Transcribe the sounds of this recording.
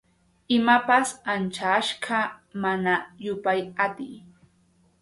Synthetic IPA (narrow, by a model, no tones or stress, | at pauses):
ɪmapasant͡ʃaʃɢɑmanajʊpajat̪ɪj